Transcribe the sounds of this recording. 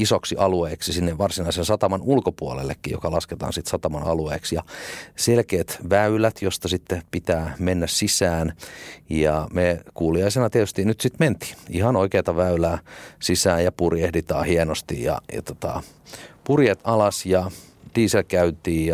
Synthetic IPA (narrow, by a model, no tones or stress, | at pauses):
isoksiʔɑlueːksisinːeʋʋɑrsinɑisensɑt̪ɑmɑnulkopuolḛlːḛkːiːjo̰kɑlɑsket̪ɑ̰ːnsit̪sɑt̪ɑmɑnɑ̰lueːksjɑselkeːt̪ʋæylæt̪jost̪ɑsit̪ːepit̪æːmenːæssisæːnjɑmekuːliɑisenɑt̪iet̪yst̪inyt̪sit̪ment̪i̥ːihɑnoikeːt̪ɑʋæylæːsisæːjɑpurjehdit̪ɑ̰ːhienost̪ḭjjɑ̰jɑ̰t̪ot̪ɑ̰ | purjet̪ɑlɑsjɑ | d̥iːselkæynt̪iːjɑ